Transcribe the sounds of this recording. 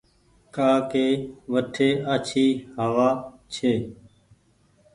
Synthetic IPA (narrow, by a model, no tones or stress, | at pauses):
kaːkeːʋəʈʰeːaːt͡ʃʰiːɦəʋaːt͡ʃʰeː